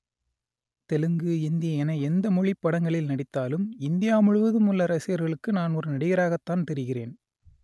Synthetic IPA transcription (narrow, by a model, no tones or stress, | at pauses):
t̪ɛlɯŋɡɯɪnd̪ɪjɐɛnɐɛnd̪ɐmʊɻɪpːɐɽɐŋɡɐɭɪlnɐɽɪt̪ːaːlɯmɪnd̪ɪjaːmʊɻɯʋɐðɯmʊlːɐɾɐsɪjɐɾɣɐɭɯkːɯnaːnɔɾɯnɐɽɪɣɐɾaːɣɐt̪ːaːnt̪ɛɾɯɣɪreːn